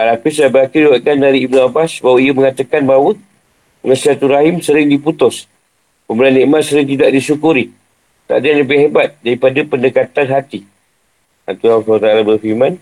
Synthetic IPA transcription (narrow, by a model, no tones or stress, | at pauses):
alapislabəakidiwat̪̚kandaɾiːbnuabasbawaiəməŋat̪əkanbawə | ɡasiat̪uɾaɦɪmsəɾɪŋdiput̪ʊs | pəmbəlanːiʔmat̪səɾɪŋt̪idaʔ̚disukuɾi | t̪a̰ʔdaaŋləbɪhɦebat̪̚daɾipadapəndəkat̪anɦat̪i | a̰nt̪uasat̪aalabərfiman